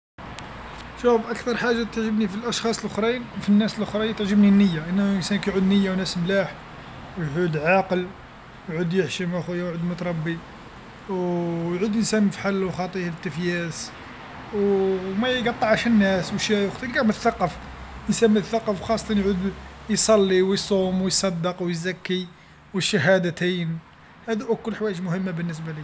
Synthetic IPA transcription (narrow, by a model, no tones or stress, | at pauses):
ʃufʔækt̪ɑɾˤħaʒːat̪əʕʒəbnifilʔɑʃxɑsˤlʔʊxɾˤinfinːæsəlʔʊxɾˤɑjt̪əʕʒəbninːəjːaʔənːʔənsænkæjʕud̪nəjːawnæsmlæħ | wjʕud̪ʕaqəl | jʕud̪jəħʃimæxujːæwʕud̪mʊt̪ɾˤɑbːi | wjʕud̪ʔənsænəfħalːwxɑt̪ˤihlt̪ːəfjæs | wmæjɡɑt̪ˤːɑʕəʃhənːæswʃjæjoxt̪ˤilkæmət̪θɑqːɑf | ʔənsænmət̪θɑqːɑfwxɑsˤːɑt̪ˤɑnjʕud̪jsˤɑlːiwjsˤumwjsˤɑd̪ːəqwjzækːi | wəʃːæɦæd̪ət̪in | hæd̪uʔækːʊlːħwæjəʒmʊhəmːabənːəs̬bæli